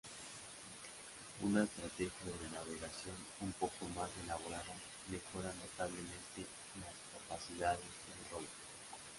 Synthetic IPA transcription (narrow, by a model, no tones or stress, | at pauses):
ṵnaest̪ɾat̪exjaðeɾenaβeɣasjo̞n | umpo̞komazelaβoɾaða | mexo̞ɾano̞t̪aβlemẽ̞nt̪e | laskapasiðaðezðerowt̪o